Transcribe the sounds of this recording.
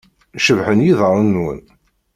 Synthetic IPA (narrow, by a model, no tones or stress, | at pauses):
ʃəvħənjiðˤəɾˤənːwə̰n